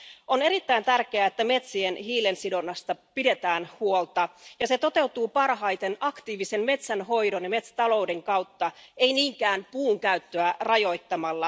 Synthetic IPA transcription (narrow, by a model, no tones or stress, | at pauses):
o̞ne̞ɾit̪ːæjnt̪ærk̟eæet̪ːæme̞t̪sienɦiːlensido̞nːɑst̪ɑpide̞t̪æːnhuolt̪ɑjɑse̞t̪o̞t̪e̞ut̪uːpɑrɦɑjt̪e̞nɑkt̪iːʋise̞nme̞t̪sænɦo̞jdo̞njɑme̞t̪st̪ɑlo̞wde̞ŋkɑwt̪ːɑe̞jniːŋkæːnpuːŋkæyt̪ːøærɑjo̞jt̪ːɑmɑlːɑ